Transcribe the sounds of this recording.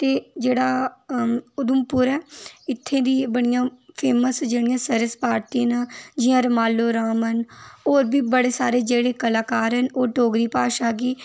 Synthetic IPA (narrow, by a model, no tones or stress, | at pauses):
t̪eːd͡ʒeːɽaː | ʊd̪ʊmpʊɾɛːɪt̪ʰːẽːd̪iːbəɽ̃ɪjãːpʰeːməsd͡ʒeːɽɪjãːsəɾəspaːɾt̪iãːnãːd͡ʒɪjãːɾəmaːlːoːɾaːmɦənoːɾbʱiːbəɽeːsaːɾeːd͡ʒeːɽeːkəlaːkaːɾɦənoːʈoːɡɾiːpaːʃaːɡiː